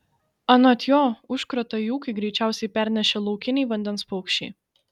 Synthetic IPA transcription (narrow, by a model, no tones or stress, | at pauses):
ɐnɐt̪ʲjoːʊʃkɾɐt̪ɐjuːkɐɪɡɾʲɛɪt͡ʃʲæˑʊsʲɛɪpʲæɾʲnʲɛʃʲɛlˠɐʊkʲɪnʲɛɪʋɐnʲd̪ʲɛnspɔʊkʃʲt͡ʃʲɛɪ